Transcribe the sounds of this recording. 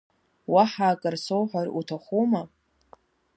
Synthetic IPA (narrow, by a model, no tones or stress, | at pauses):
waħaːkʼarsowħʷᶣarutʰaχʷuma